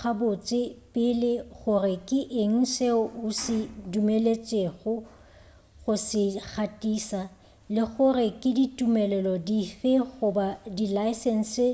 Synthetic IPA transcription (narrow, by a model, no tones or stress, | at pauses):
χabot͡sʼɪpʼɪlɪɣʊrɪkʼɪʔeŋ̩seʊʊsɪdumelet͡sʼeɣʊ | ɣʊsɪk͡xʰatʼiːsa | lɪɣʊrɪkʼɪditʼumɛlɛlɔdifɪɣʊbadilaɪsɛn̩sɪ